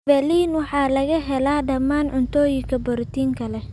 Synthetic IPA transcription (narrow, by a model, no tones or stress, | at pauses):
bɛliːnwɑħɑːlɐɣɐɦɛlaːɖɐmːaːnʕʊnt̪ʰɔːjɪŋkʰɐbɔɾt̪iːŋkʰɐlɛ